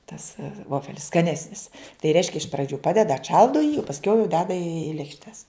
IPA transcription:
tɐs ˈʋoːfʲɛlʲɪs skɐˈnʲæːsʲnʲɪs tɐɪ ˈrʲɛɪʃʲkʲɛ ɪʃ prɐˈd͡ʒʲʊ ˈpɑːdʲɛdɐ ɐtˈʃɐlˠdoː jiː oː pɐsʲˈkʲɛʊ jɛʊ ˈdʲæːdɐ iː lʲeːkʃʲˈtʲɛs

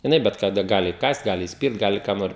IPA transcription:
jɪˈnɐɪ bʲɛt kɐˈdɐ ˈɡɑːlʲɪ iːˈkɑːst ˈɡɑːlʲɪ iːsʲˈpʲɪrt ˈɡɑːlʲɪ kɑː ˈnoːrʲɪ

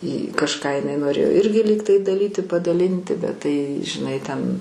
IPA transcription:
ɪ kɐʃˈkɑː ɪˈnɐɪ noːˈrʲeːjoː ˈɪrʲɡʲɪ ˈlʲiːktɐɪ dɐˈlʲiːtʲɪ pɐdɐˈlʲɪnʲtʲɪ bʲɛt ˈtɐɪ ʒʲɪˈnɐɪ tʲɛn

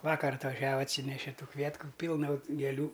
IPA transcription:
ˈʋɑːkɐr ɐtʋɐˈʒʲæːʋɐ ɐtʲˈsʲiːnʲɛʃʲɛ ˈtuː ˈkʋʲiɛtkʊ ˈpʲiːlˠnɐ ɡʲeːˈlʲuː

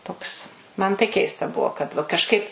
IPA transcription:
ˈtoːks ˈmɐn tɐɪ ˈkʲɛɪstɐ ˈbuɔ kɐt ʋɐ kɐʃˈkɐɪp

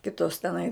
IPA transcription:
ˈkʲɪtoːs tʲɛˈnɐɪ

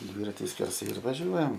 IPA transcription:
ˈdʲʋʲiːrɐtʲɪ sʲkʲɛrˈsɐɪ ɪr ʋɐˈʒʲuɔjɛm

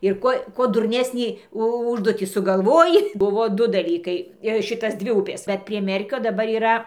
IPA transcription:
ɪr ˈkuɔ ˈkuɔ dʊrʲˈnʲæːsʲnʲiː ˈʊʒduɔtʲiː sʊɡɐˈlˠʋoːjɪ ˈbʊʋoː ˈdʊ dɐˈlʲiːkɐɪ ˈʃʲɪtɐs ˈdʲʋʲɪ ˈʊpʲeːs ˈbʲɛt pʲrʲiɛ ˈmʲɛrʲkʲoː dɐˈbɐr iːˈrɐ

